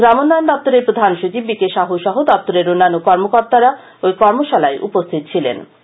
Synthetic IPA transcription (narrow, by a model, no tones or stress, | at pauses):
ɡɾamonːaend̪ɔp̚t̪oɾeɾpɾod̪ʱanʃot͡ɕibbikeʃaɦuʃɔɦod̪ɔp̚t̪oɾeɾonːanːokɔɾmokoɾt̪aɾa | ojkɔɾmoʃalaeʔṵpost̪ʰit̪̚t͡ɕʰilḛn